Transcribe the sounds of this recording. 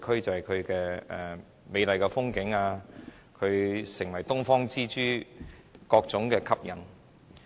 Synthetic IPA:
kʰɵ˥ɥt͡sɐ˨whɐ˨˩jkʰɵ˨˧ɥkɛː˧ɛ˨ | me˨˧jlɐ˨jkɛ˧fʊ˥ŋkɪ˨˥ŋaː˧ | kʰɵ˨˧ɥsɪ˨˩ŋwɐ˨˩jt̪ʊ˥ŋfɔː˥ŋt͡siː˥t͡ʃyː˥ | kɔː˧k̚t͡sʊ˨˥ŋkɛː˧kʰɐ˥p̚jɐ˨˩n

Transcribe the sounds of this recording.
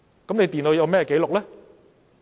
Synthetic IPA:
kɔ˨˦ne˧˩t̪i˨˩noː˧jɔː˧mɛː˧˩˨ke˨˧˦lʊ˨˩k̚la˨˦

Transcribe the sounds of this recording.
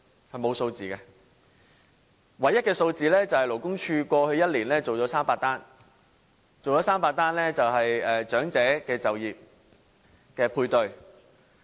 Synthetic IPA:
hɐ˨jmo˨˧wso˧wt͡siː˨kɛ˧ | wɐ˨jɐ˥t̚kɛː˧so˧wt͡siː˨lɛː˥t͡sɐ˨˩whɐ˨jlo˨˩wkʊ˥ŋt͡ʃʰyː˧kʷɔː˧hɵ˧ɥjɐ˥t̚liː˨˩nlɛː˥t͡so˨wt͡ʃɔː˨˧˥saː˥mpaː˧k̚t̪aː˥n | t͡so˨wɔ˨˧˥saː˥mpaː˧k̚t̪aː˥nlɛː˥t͡sɐ˨wɦɐ˨jɛː˨t͡ʃœː˨˥ŋt͡sɛː˨˥kɛː˧t͡sɐ˨wjiː˨p̚ | kɛː˧pʰuː˧jt̪ɵ˨˧ɥ

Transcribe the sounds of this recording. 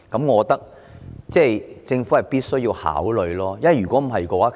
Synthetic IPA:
kɐ˨˥mŋɔː˨˧t̪ɐ˥k̚ | t͡sɛː˥˩jt͡sɪ˧ŋfu˨˦˥hɐ˨jpiː˥t̚sɵ˥ɥjiː˧wha̰ː˨˥wlɵ˨˧ɥlɔː˥jɐ˥ɐ˩jɥyː˨kʷwɔː˨˥m̩˨˩ɦɐ˨jkɔː˧waː˨˦˥

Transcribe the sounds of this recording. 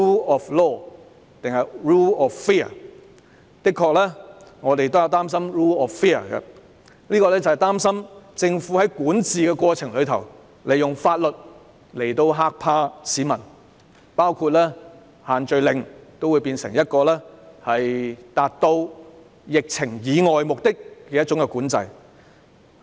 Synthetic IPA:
u˥ɔː˨flɔː˥˩ | t̪ɪ˨ŋhɐ˨jɹuː˥ɔː˨ffɛ˥ɐ̰˨˩ | k̪ɪ˥kʰːɔː˧k̚lɛː˥ŋɔː˨˧t̪̬e˨jt̪o˥wjɐ˨˧wt̪aː˥msɐ˥mɹuː˥ɔː˨ffɛː˥˩ə̰˨˩kɛ̰˧ | liː˥kɔː˧lɛː˥t͡sɐ˨whɐ˨˩jt̪aː˥msɐ˥mt͡sɪ˧ŋfu˨˥hɐ˨˦jkuː˨˥nt͡siː˨kɛː˧kʷɔː˧t͡sʰɪ˨˩ŋlɵ˨˧ɥt̪ʰɐ̰˨˩w | le˨jʊ˨ŋfaː˧t̚lɵ˨t̚ | le˨˩jt̪o˧wɦaː˧k̚pʰaː˧siː˨˥mɐ˨˩n | paː˥wkʰuː˧t̚lɛː˥ | haː˨˩nt͡ʃɵ˧ɥlɪ˧ŋt̪o˥wuː˨˧jpiː˧nsɪ˨˩ŋjɐ˥t̚kɔː˧lɛː˥hɐ˨jt̪aː˨t̚t̪o˧w | jɪ˨k̚t͡sʰɪ˨˩ŋjiː˨˧ŋɔː˨jmʊ˨k̚t̪ɪ˥k̚ːɛ˧jɐ˥t̚t͡ʃʊ˨˥ŋkɛ˧kuː˨˥nt͡sɐ̰˧j

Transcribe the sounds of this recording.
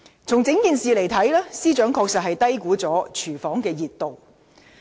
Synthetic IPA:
t͡sʰʊ˨˩ŋt͡sɪ˨˥ŋkiː˨nsiː˨le˨˩jt̪ʰɐ˨˥jlɛː˥siː˥t͡ʃœː˨˥ŋkʰɔː˧k̚sɐ˨t̚hɐ˨jt̪ɐ˥jkuː˨˥t͡sɔː˨˥t͡ʃʰyː˨˩fɔː˨˥ŋkɛː˧jiː˨t̚t̪o˨w

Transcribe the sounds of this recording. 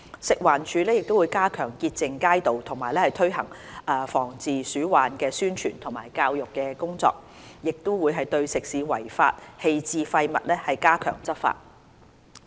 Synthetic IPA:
sɪ˨k̚waː˨˩nt͡ʃʰyː˨˧lɛː˥jɪ˨k̚t̪o˥wu˨˧jkaː˥kʰœː˨˩ŋkiː˧t̚t͡sɪ˨ŋkaː˥jt̪o˨wt̪ʰʊ˨˩ŋmaː˨˩jlɛː˥hɐ˨jt̪ʰɵ˥ɥɦɐ̰˨˩ŋʔɐː˧fɔː˨˩ŋt͡siː˨syː˨˥waː˨nkɛː˧syː˥nt͡ʃʰy̰ː˨˩nt̪ʰʊ˨˩ŋmaː˨˩jkaː˧wjʊ˨kːɛː˧kʊ˥ŋt͡sɔ̰ː˧k̚ | jɪ˨k̚t̪ʊ˥wuː˨˧jɦɐ˨jt̪ɵ˧ɥsɪ˨k̚siː˨˥wɐ̰˨˩jfa̰ː˧t̚he˧jt͡siː˨˧fɐ˧jmɐ˨t̚lɛː˥hɐ˨jkaː˥kʰœ̰ː˨˩ŋt͡sɐ˥fa̰ː˧t̚

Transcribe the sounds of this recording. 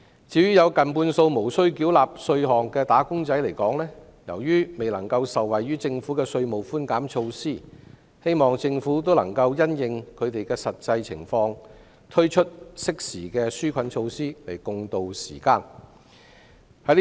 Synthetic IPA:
t͡siː˨˧jyː˥jɐ˨˧wkɐ˨˩npuː˧nso˧wmo˨˩wsɵ˥ɥkiː˨˥wlaː˨p̚sɵ˧ɥɦɔː˨˩ŋkɛː˧t̪aː˨˥kʊ˥ŋt͡sɐ˨˥jle˨˩jkɔː˨˥ŋlɛː˥ | jɐ˨˩wjyː˥me˨˩jlɐ˨˩ŋkɐ˧wsɐ˨wːɐ˨jɥyː˥t͡sɪ˧ŋfuː˨˥kɛː˧sɵ˧ɥmo˨˩wfuː˥nkaː˨˥mt͡ʃʰo˧wsiː˥˩ | he˥jmɔː˨ŋt͡sɪ˧ŋfuː˨˥t̪o˥wlɐ̰˨˩ŋkɐ˧wjɐ˥njɪ˨ŋkʰɵ˨˧ɥt̪e˨jkɛː˧sɐ˨t̚t͡sɐ˧jt͡sʰɪ̰˨˩ŋfɔː˧ŋ | t̪ʰɵ˥t͡ʃʰɵ˥t̚sɪ˥k̚siː˨˩kɛː˧syː˥kʰɐ˨˥nt͡ʃʰo˧wsiː˥lɐ˨˩jkʊ˧ŋt̪o˨wsiː˨˩kaː˧n | hɐ˨˥

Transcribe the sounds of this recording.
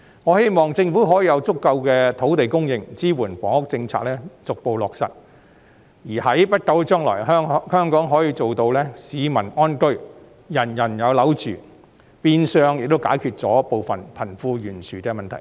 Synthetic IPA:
ŋɔː˨˧he˥jmɔː˨˩ŋt͡sɪ˧ŋfuː˨˥ɦɔː˨˥jiː˨˧jɐ˨˧wt͡sʊ˥kːɐ˧wkɛː˧t̪ʰo˨˥wt̪e˨jkʊ˥ŋjɪ˧ŋt͡siː˥wuː˨˩npɔː˨˥ŋʊ˥k̚t͡sɪ˧ŋt͡sʰa̰ː˧k̚lɛː˥t͡sʊ˨k̚po˨˧wlɔː˨k̚sɐ̰˨t̚ | jiː˨˩hɐ˨˥jpɐ˥t̚kɐ˧˥wt͡ʃœː˥ŋlɔ̰ː˨˩jɦŋhœː˥ŋkɔː˨˥ŋɦɔː˨˥jiː˧t͡so˨wt̪o˧wlɛː˥siː˨˧mɐ˨˩nɔː˥nkɵ˥ɥ | jɐ˨˩njɐ˨˩njɐ˨˧wlɐ˨˥wt͡ʃyː˨˩ | piː˧nsœː˧ŋjk̚t̪o˥wkaː˨˥jkʰyː˧t̚t͡sɔː˨˥po˨˧wfɐ˨npʰɐ˨˩nfuː˧jyː˨˩nsʰyː˨kɛː˧mɐ˨nt̪ʰɐ˨˩j

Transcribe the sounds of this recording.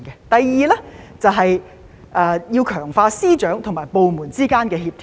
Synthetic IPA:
kɛ˧t̪ɐ˨jːiː˨lɛ˥t͡sɐ˨wɦɐ˨j | ʔɛː˨˧jiː˧wkʰœː˨˩ŋfaː˧siː˥t͡ʃœː˨˥ŋt̪ʰo˨˩maː˨˩jpo˨˧wmuː˨˩nt͡siː˥kaː˥nkɛː˧ɦiː˧p̚t̪ʰ

